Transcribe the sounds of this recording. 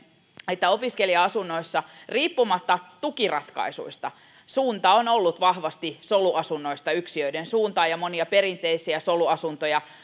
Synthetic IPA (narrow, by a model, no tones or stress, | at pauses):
et̪ːæopiskeliɑɑsunːoisːɑriːpːumɑt̪ːɑt̪ukirɑt̪kɑ̰isṵist̪ɑ | suːnt̪ɑonolːut̪ʋɑhʋɑst̪isoluʔɑsunːoist̪ɑyksiøidensuːnt̪ɑːjɑmoniɑperint̪eisiæsoluɑsunt̪ojɑ